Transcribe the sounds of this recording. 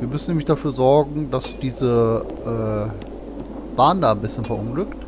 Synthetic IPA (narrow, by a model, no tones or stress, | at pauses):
viːɐmʏsn̩nːɛːmlɪçd̥afyːɐzɔɐɡŋ̩d̥asd̥iːzəʔɛː | v̥aːɐəndaːnbɪsçənfɛɐʔʊnɡlʏkt